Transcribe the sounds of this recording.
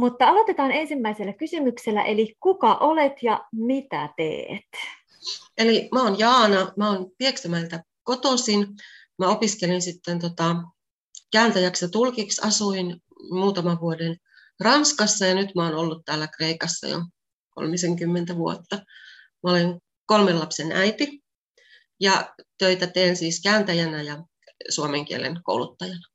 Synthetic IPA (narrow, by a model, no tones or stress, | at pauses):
mut̪ːɑɑlo̞t̪et̪ɑːne̞nsimːæiselːækysymykselːæ̰ʔelikukɑʔolet̪jɑmit̪æ̰t̪ḛːt̪ | elimæoːnjɑːnɑmæoːnpieksæmælt̪æ | kot̪osin | mæopiskelinsit̪ːent̪ot̪ɑ | kæːnt̪æjæksjɑt̪ulkiksɑsuin | muːt̪ɑmɑʋʋuoden | rɑnskɑsːɑjɑnyt̪mæoːnolːut̪t̪æːlːækreikɑsːɑ̰jo̰ | ko̰lmiseŋkymːent̪æʋuo̰t̪ːɑ | mæoleŋ | kolmelːɑpsenʔæ̰it̪i | jɑt̪øit̪æt̪eːnsiːskæːnt̪æjænæjɑ | suomeŋk̟iḛlḛnko̰uwlut̪ːɑjɑnɑ̥